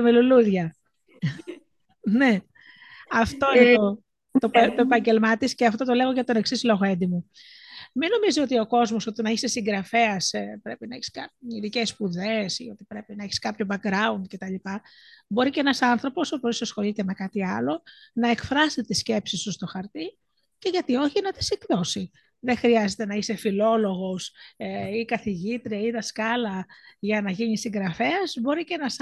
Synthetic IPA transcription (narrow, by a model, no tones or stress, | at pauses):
meluluðʝɐ | ne | ɐft̪oint̪o | t̪ot̪oepɐɲɟe̞lmɐt̪isceɐft̪o̞t̪o̞le̞ɣoʝɐt̪o̞ne̞ksislo̞ɣoend̪imu | mino̞mizio̞t̪io̞ko̞zmo̞so̞t̪inɐiçsesiŋɡɾɐfe̞ɐspɾe̞pinɐeçi̥skɐiðicespuðe̞sḭo̞t̪i̥pɾe̞pinɐeçi̥skɐpço̞bɐkɾɐund̪̚ce̞t̪ɐlipɐ | bo̞ɾiceenɐsɐnθɾo̞po̞soposisɐsxo̞lit̪e̞me̞kɐt̪iɐlo̞nɐe̞kfɾɐset̪isce̞psist̪ust̪o̞xɐɾt̪i | ce̞ʝɐt̪io̞çinɐt̪e̥siɡðo̞si | ðexɾiɐze̞t̪enɐise̞filo̞lo̞ɣo̞sikɐθiʝit̪ɾiɐiðɐskɐlɐʝɐnɐʝinisiŋɡɾɐfe̞ɐzbo̞ɾiceenɐs